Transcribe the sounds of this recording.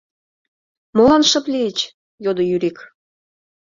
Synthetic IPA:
molɑnʃɤ̆plʲiet͡ɕ | jod̪ojyɾik

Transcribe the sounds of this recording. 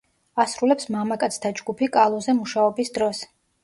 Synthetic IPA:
asɾulɛpsmamakʼat̪sʰt̪ʰad͡ʒɡupʰikʼalˠɔzɛmuʃaɔbisd̪ɾɔs

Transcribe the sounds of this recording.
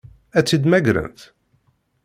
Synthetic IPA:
æt͡sːid̪mæɡɾə̰nθ

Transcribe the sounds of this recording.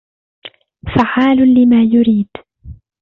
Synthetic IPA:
faʕaːlʊlɪmaːjʊɾiːd̪

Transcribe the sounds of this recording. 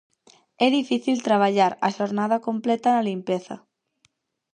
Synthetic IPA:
ɛðifiθilt̪ɾaβ̞aʎaɾaʃoɾnað̞akomplɛt̪analimpeθɐ̰

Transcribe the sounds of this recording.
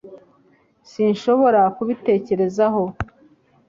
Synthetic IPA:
siːnʃo̞βo̞ɾakuβite̞ːce̞ɾe̞zaɦo̞

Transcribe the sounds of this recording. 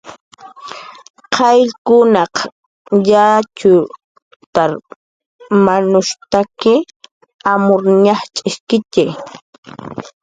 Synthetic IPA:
qʰɑjʎkʊnɑq | jat͡ʃʊ | t̪aɾ | manʊʃt̪akɪ | amʊɾɲɑχt͡ʃʼɪʃkɪt͡ʃej

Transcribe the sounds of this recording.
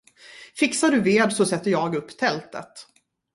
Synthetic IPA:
fɪksaɖɵveːd̪sɔsɛt̪ːəjɑːɡɵpːt̪ʰɛlt̪ə̰t̪

